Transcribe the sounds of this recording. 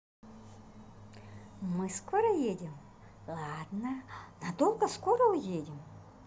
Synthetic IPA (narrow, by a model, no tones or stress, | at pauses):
mɨskoɾəjedʲɪm | lˠad̪nənad̪o̞lˠɡəskoɾəʊjedʲɪm